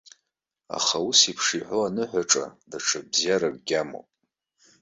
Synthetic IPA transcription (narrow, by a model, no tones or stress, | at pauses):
a̰χausipʰʂiħʷoanɨħʷaʈ͡ʂʼa̰daʈ͡ʂʰabzjaɾak̚ʷʼɡʲamo̰pʼ